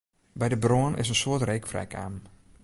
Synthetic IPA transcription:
bɛjdəbroənɪ̰s̬ənsoətrejkfrɛ̰jkʰa̰ːm

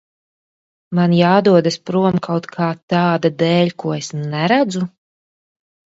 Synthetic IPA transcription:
manjaːd̪uɔd̪aspɾuɔmkʰawt̪kʰaːt̪aːd̪ad̪ɛːʎʲkuɔesnɛɾæd̪zu

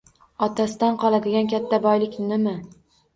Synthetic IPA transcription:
ɒt̪ʰasɪd̪anqʰɒlˠad̪ɪɡʲankʲʰat̪ʰːabɒjlɪkʲnɪma

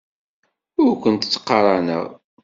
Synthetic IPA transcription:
ʊɾkʷənt̪ət͡sːə̥qːɑɾˤɑnæ̰ʁ

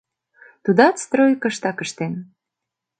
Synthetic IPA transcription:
t̪ud̪ɑt̪st̪rojkə̆ʃt̪ɑkəʃt̪en

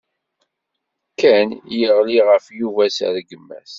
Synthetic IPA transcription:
kːænjəʁliʁəfjuvæsə̰ɾɡəmːæ̰θ

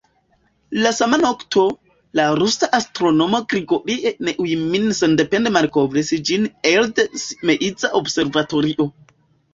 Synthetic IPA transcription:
lasamanoktʰo̞ | laɾusaʔastɾono̞moɡɾiɡoɾiʔeneʔujminsendependemaɾkovɾesid͡ʒineldesimeʔid͡zaʔobse̞ɾvato̞ɾiʔo̞

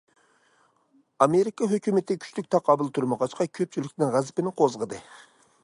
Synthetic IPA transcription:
ɑmeɾikɑɦøkʲymɪt̪ɪkʲʰy̥ʃt̪yk̚ʲt̪ʰɑqʰɑbɨlˠt̪ʰuɾmɑʁɑʃqɑkʲʰøp̚t͡ʃʰylɪkʲnɪŋʁæzɪpɪnɪqʰozʁəd̪ɨ

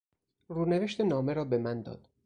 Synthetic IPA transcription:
ruːneveʃt̪enɒːme̞ɾɒːbe̞mænd̪ɒ̰ːd̪̥

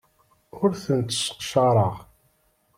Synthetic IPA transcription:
ʊɾθənt̪ə̥sə̥qʃɑɾˤəʁ

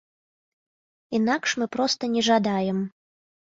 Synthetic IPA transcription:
in̪akʂmɨpɾɔst̪ɐnʲɛʐad̪ajɛm

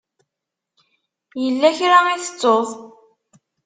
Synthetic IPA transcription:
jəlːæçɾaiθə̥t͡sˤːoðˤ

